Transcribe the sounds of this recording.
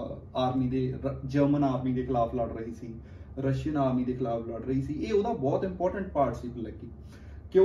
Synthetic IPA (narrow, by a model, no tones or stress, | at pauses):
aːɾmiːd̪eːd͡ʒəɾmənaːɾmiːd̪eːkʰɪlaːpʰləɽɾəɦiːsiː | ɾəʃjənaːɾmiːd̪eːkʰɪlaːpʰləɽɾəɦiːsiːeːod̪aːbɔːt̪ɪ̃mpɔːɾʈəɳʈ̚paːɾʈsiːpəlɛɡiː | kɪ